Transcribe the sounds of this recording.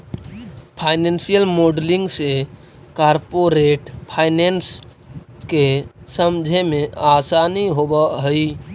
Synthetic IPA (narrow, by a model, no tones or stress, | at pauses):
pʰajnensijəlmoɖlĩŋɡse | kaɾpoɾeʈpʰajnens | kesəmd͡ʒʱemeasaniɦobəɦəj